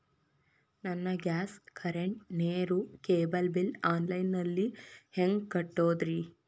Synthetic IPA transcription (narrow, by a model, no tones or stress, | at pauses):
nɐnːɐɡʲaːskʰɐɾeɳʈ̚neːɾukeːbɐlbilaːnlɐjnːɐlːiheŋɡkɐʈːoːd̪ɾi